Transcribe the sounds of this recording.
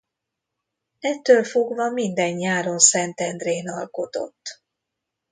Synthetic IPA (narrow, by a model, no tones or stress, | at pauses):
ɛt̪ːøːlfoɡvɒmind̪ɛɲjaːɾo̞nsɛnt̪ɛnd̪reːnɒlko̞t̪o̰t̪ː